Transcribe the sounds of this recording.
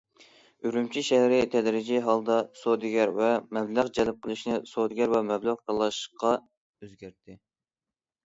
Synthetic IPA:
yɾymt͡ʃʰiʃɛhɾɪt̪ʰɛd̪ɾɪd͡ʒiɦɑlˠd̪ɑsod̪ɪɡʲæɾvɛmɛblæʁd͡ʒɛlɪp̚qʰəlˠɨʃnɪsod̪ɪɡʲɛɾvɛmɛblæʁqɑlˠɑʃqɑ | øzɡʲæɾt̪ʰɪ

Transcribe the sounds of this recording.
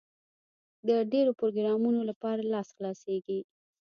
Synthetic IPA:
d̪əɖeɾopɾoɡɾɑmunolapɑɾalɑsxlɑseɡi

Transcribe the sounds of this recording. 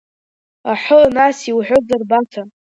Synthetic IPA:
aħʷənasiwħʷᶣod͡zarbatʰa

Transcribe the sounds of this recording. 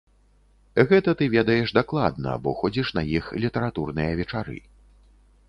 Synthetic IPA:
ɣɛt̪ɐt̪ɨvʲɛd̪ɐjɛʂd̪aklˠa̰d̪̚nɐ̰bɔxɔd͡zʲiʂn̪ɐjixlʲit̪ɛɾat̪urnɨjɐvʲɛt͡ʂaɾɨ̰

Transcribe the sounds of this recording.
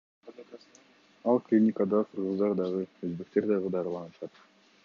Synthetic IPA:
ɑlˠklʲinʲikəd̪ɑqʰɯɾʁɯzd̪ɑɾd̪ɑʁɯøzbe̞k̚t̪e̞ɾd̪ɑʁɯd̪ɑɾɯlˠɑnɯʃɑt̪

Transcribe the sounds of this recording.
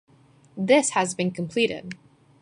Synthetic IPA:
ðɪshɨzbɨ̃nkʰə̃m̩pʰl̥iɾɪ̰d̥̚

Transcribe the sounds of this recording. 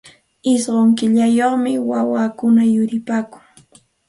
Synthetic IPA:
ɪsɢoŋkɪʎajoχmɪwawaːkʊnajʊɾɪpaːkʊ̥ŋ

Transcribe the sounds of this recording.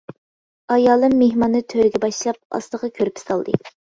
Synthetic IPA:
ɑjɑːlˠɨmːeɦmɑnːɨt̪ʰøɾɪɡʲɛbɑʃlˠɑp̚ɑ̰st̪ˠəʁɑkʲʰøɾypi̥sɑlˠd̪ɨ̰

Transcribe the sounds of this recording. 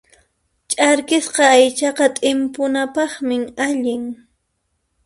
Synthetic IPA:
t͡ʃʼaɾkɪsqɑːjt͡ʃɑqɑt̪ʼɪmpʊnapɑχmɪmaʎɪŋ

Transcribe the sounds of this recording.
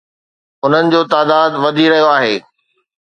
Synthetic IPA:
ʊn̤ənɪ̆d͡ʑoːt̪aːd̪aːd̪ʋɐd̪ʱiɾɐɦijoaːɦeː

